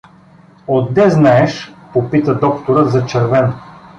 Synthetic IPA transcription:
od̪ːɛznaɛʃpopit̪əd̪ɔkt̪oɾət̪zɐt͡ʃɐɾvɛn

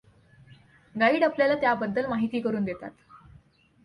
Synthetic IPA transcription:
ɡaiːɽapljalat̪jabəd̪ːəlmaɦit̪iːkəɾuːnd̪et̪a̰t̪

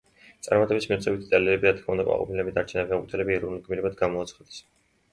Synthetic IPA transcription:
t̪sʼa̰ɾmat̪ʼɛbismit̪sʰɛbit̪ʰt̪ʼaliɾɛbiɾat̪̚kʰmaund̪akʼwa̰qʼɔ̰pʰilɛbid̪aɾt͡ʃʰɛnabiakʼut̪ʰɛlɛbiɛɾɔnliɡmiɾɛbad̪ɡamɔːt̪sʰχad̪ɛ̥s

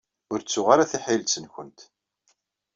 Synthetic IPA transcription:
ʊɾt͡sːʊʁaɾaθiħɪlsənçʷənt̪

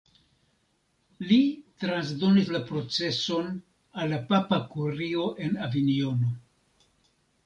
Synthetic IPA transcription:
litɾans̬do̞nislapɾo̞t͡se̞so̞n | alːapapakuɾio̞ʔe̞navinio̞no̞

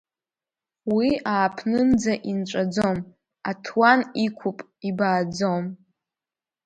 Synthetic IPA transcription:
wiaːpʰnɨnd͡zaʔinʈ͡ʂʷʼad͡zom | atʰwanikʷʰupʼ | ibaːd͡zom

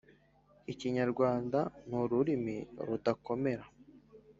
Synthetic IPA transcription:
iciɲaɾɡwaːndanuɾuɾimiɾutako̞me̞ɾa

